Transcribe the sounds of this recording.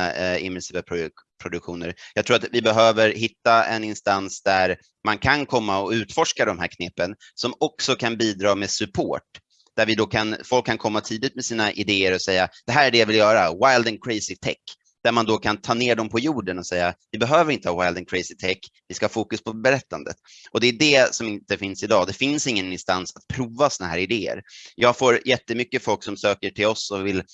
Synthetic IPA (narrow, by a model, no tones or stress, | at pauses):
ɪ̰mːɛsiːvapʰ | pʰɾʊd̪ɵkɧuːnəɾjɑɡ̚t̪ɾuːɾat̪vɪbɛɦøːvəɾhɪt̪ːaɛ̰nɪnst̪ansd̪æɾ | mankʰankʰɔmːaɔʉ̟ːt̪fɔʂkad̪ɔmhæ̰ːɾkʰnɛpːən | sɔmɔksɔkʰanbiːd̪ɾɑːmeːsɵpʰo̰ːʈ̚ | d̪̥æɾvɪd̪ɔkʰanfɔlkʰːankʰɔmːat̪ʰiːd̪ɪt̪̚mɛsiːnaʔɪd̪eːəɾɔsɛjːad̪̥ɛɦæːɾæɖɛjavɪljœːɾawajld̪ɛnkʰɾɛɪsɪt̪ʰɛ̰kː | d̪̥æɾmand̪okʰant̪ʰɑːneːɖɔmpʰɔjuːɖənɔsɛjːavɪbɛɦøːvəɾɪnt̪əhɑːwajld̪ɛnkʰɾɛɪsɪt̪ʰɛkːvɪskahɑːfuːkɵspʰɔbɛɾɛt̪ːand̪ə̰t̪ | ʔɔd̪ɛːɖɛsɔmɪnt̪əfɪnsɪd̪ɑːd̪ɛfɪnsɪŋːənɪnst̪ansat̪̚pʰɾuːvasɔnaɦæ̰ːɾɪd̪eːə̰ɾjɑːɡfoːɾjɛt̪ːəmʏkːəfɔlksɔmsøːkəʈʰɪlɔsɔvɪl